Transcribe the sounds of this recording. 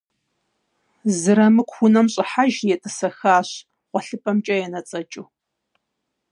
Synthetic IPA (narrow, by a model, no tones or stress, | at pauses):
zɨɾɐmɨkʷxʷʊnɐmɕʼɪħaʒjɛtʼɨsɐxaːɕ | qʷɔɬɨpʼɐmt͡ʃʼɐjɛnɐt͡sʼɐt͡ʃʼuː